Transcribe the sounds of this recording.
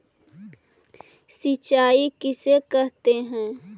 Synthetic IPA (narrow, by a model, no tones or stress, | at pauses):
sit͡ʃaːikɪsekɛɦt̪eɦɛ̃ː